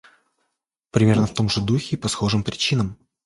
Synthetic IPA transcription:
pɾʲɪmʲernəft̪o̞mʐɨd̪uxʲɪpɐsxo̞ʐɨmpɾʲɪt͡ɕinəm

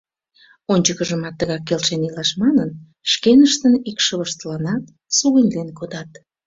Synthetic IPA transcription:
onʲt͡ɕəkəʒəmɑt̪ːəɣɑkːelʃenilɑʃmɑnən | ʃkenəʃt̪ənikʃəβəʃt̪əlɑnɑt̪ | suɣinʲd̪enkod̪ɑt̪

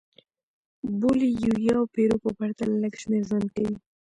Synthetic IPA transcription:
bulijujɑwpeɾopəpaɾt̪alləɡʃmeɾzankawi

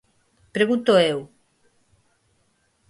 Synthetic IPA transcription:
pɾeɣũnt̪oew

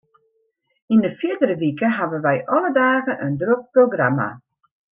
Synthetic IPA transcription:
indəfjɪdəɾəʋikəɦaʋənʋɛjʔɔlədaːɣənʔəndrok̚proɡrama̰

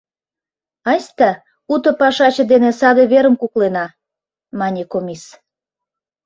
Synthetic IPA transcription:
ɑsʲt̪ɑ | ut̪ə̆pɑʃɑt͡ɕɤ̆d̪enesɑd̪eβeɾəmkuklenɑ | mɑnʲekomʲis

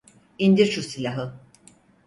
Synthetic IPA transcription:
ind̪iɾʃusilʲaɦɯ

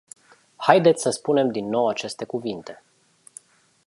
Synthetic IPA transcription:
hajd̪et̪sʲsəspune̞md̪inːo̞wat͡ʃe̞st̪e̞kuvint̪e̞

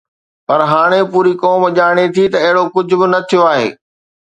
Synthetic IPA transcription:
pɐɾɦaːɽ̃epuːɾikɔːmʄaːɽ̃et̪ʰit̪ɐɪɦɪɽokʊd͡ʑʱʊ̆bɪnɐt̪ʰijoaːɦḛː

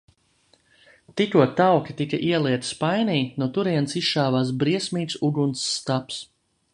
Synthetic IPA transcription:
t̪ikuɔtt̪ːawkʲit̪ikaʔiɛlˠiɛt̪spajniːnut̪uɾiɛnsisʃaːvaːsbɾiɛsʲmiːt̪suɡunsːt̪aps

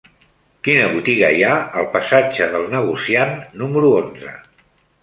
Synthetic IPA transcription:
kinəβut̪iɣəjaəlˠpəsad͡ʒəðəlˠnəɣ̞usianːuməɾuonzə̰

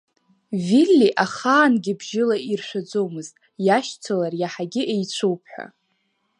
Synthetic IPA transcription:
vilʲːiʔaχaːnɡʲɪbʒɪlairʃʷᶣad͡zowmɨztʼ | jaʃt͡sʰalarjaħaɡʲɪʔejt͡ɕʷʰowpʰħʷa̰

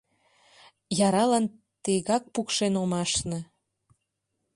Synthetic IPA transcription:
jɑɾɑlɑn | t̪eɣɑk̚pukʃenomɑʃnɤ̆

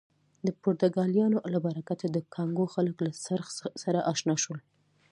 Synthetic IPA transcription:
d̪əpʊɾt̪ʊɡɑljɑnolabaɾakat̪ad̪əkʰɑŋɡoxaləklasaɾxsaɾaʔɑʃnɑʃwəl

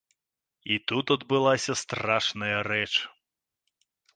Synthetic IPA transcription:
it̪ut̪ɐd̪bɨlˠasʲɐst̪raʂnɐjɐɾɛt͡ʂ

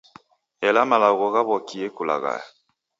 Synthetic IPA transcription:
ɛlamalaɣɔɣaβɔkiekula̰ɣa̰ja

